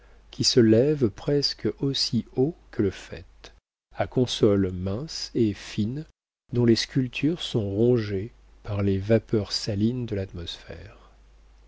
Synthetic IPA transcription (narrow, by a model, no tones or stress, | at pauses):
kʲʰisəlɛvpχɛskosiokʰələfɛ̰t̪ | akɔ̃sɔlmɛ̃sefin | d̪ɔ̃leskʲylt̪ʰyʁsɔ̃ʁɔ̃ʒe | paʁlevapœʁsalind̪əlat̪mɔsfɛ̰ʁ